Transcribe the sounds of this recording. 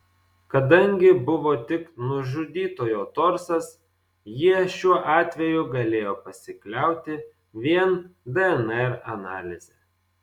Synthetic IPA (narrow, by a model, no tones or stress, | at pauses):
kɐd̪ɐŋʲɡʲɪbʊʋoːt̪ʲɪknʊʒʊd̪ʲiːt̪oːjoːt̪ɔɾsɐs | jiɛʃʲuɔʔɑːt̪ʲʋʲɛjʊɡɐlʲeːjoːpɐsʲɪklʲɛˑʊt̪ʲɪ | ʋʲiɛnd̪ɛɛnɛɾɐnɑ̰ːlʲɪzʲɛ